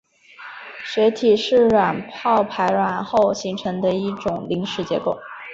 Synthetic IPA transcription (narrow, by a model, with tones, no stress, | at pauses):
ɕɥɛ˧˥ɪt̪ʰi˨˩ʂɻ̩˥˩ɻwa˨˩npʰɑ˥˩ʊpʰa˧˥ɪɻwa˨˩nxo˥˩ʊɕi˧˥ŋʈ͡ʂʰɤ˧˥ŋd̪ə˧i˥˩ʈ͡ʂʊ˨˩ŋli˧˥ŋʂɻ̩˧˥t͡ɕjɛ̰˧˥ko˥˩ʊ